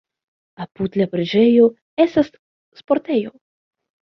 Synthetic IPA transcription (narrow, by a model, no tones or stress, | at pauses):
aput̪lapɾed͡ʒe̞jo | esas | spo̞ɾt̪ejo